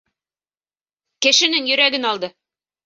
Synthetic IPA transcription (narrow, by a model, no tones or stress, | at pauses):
kɘ̆ʃɘ̆nɘŋjɵ̆ɾæɡɘnɒlˠd̪ɤ